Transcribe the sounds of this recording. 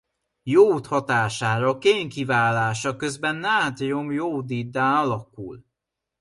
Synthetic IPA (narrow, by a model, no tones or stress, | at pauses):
joːt̪hɒt̪aːʃaːɾɒkeːŋkivaːlaːʃɒkøzbɛnːaːt̪jomjoːd̪id̪ːaɔlɒkṵl